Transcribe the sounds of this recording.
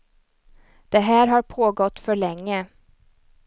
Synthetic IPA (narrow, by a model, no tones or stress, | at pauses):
d̪̥ɛɦæːɾɦaɾpʰoːɡɔt̪ːfœɭɛŋːə